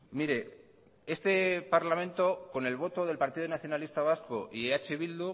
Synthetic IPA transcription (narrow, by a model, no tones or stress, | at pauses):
miɾe̞ | e̞st̪e̞paɾlamẽ̞nt̪o̞ko̞ne̞lβ̞o̞t̪o̞ðe̞lpaɾt̪iðonaθjo̞nalist̪aβ̞askoʔieat͡ʃeβild̪u